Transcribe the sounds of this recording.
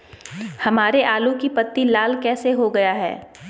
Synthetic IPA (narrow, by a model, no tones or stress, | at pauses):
hɐmaːɾeʔaːlũkipɐt̪ːilaːlkɛːseɦoɡɐjaɦɛ̰ː